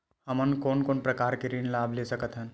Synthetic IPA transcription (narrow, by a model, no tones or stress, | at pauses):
ɦɐmənkoːnkoːnpɾɐkaːɾkeɾinlaːbʱleːsəkət̪ɦɛ̃n